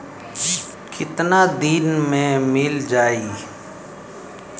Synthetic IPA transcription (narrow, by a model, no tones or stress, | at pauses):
kɪt̪naːd̪iːnmẽmɪld͡ʒaːiː